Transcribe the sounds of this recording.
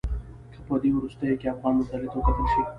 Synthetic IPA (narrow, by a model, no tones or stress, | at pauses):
kʰapəd̪ewɾust̪əjokeafɣɑnmʊzd̪alɪt̪okat̪əlʃi